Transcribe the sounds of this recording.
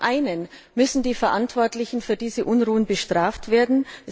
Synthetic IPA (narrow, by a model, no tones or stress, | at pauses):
ʔaɪnənmʏsn̩diːfɛɐʔantv̥ɔɐtlɪçn̩fyːɐdiːzəʔʊnʁuːənbəʃtʁ̥aːftv̥eːɐdn̩